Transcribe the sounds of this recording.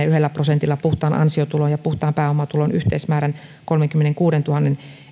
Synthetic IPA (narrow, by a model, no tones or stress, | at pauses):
yhelːæprosent̪ilːɑpuht̪ˑɑːnʔɑ̰nsiot̪ulojɑpuht̪ɑːmpæːomɑt̪ulonʔyht̪eismæːɾæn | kolmeŋkymːeneŋkuːdent̪uhɑnːen